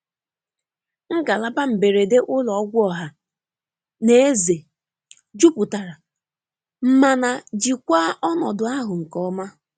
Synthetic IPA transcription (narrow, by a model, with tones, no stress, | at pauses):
ŋ̩˦ɡa˨la˦ba˦m̩˨be˨ɾe˨de˦ʔʊ˦lɔ˨˦ɡʷʊ˦ɔ˨ɦa˨ | ne˦e˦ze˨ | d͡ʒu˦pʊ˨ta˨ɾa˨ | m̩˦ma˨na˨d͡ʒi˨kʷa˦ʔɔ˦nɔ˨dʊ˨a˦ɦʊ˨ŋ̩˨kɔ˦ma˦